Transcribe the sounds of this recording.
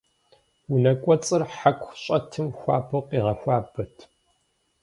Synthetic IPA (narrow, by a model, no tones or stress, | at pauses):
wunɐkʷʼɔt͡sʼɨrħakʷʰʼɕʼɐtʰɨmxʷaːbɨqʷʼiːʁɐxʷaːbɐtʰ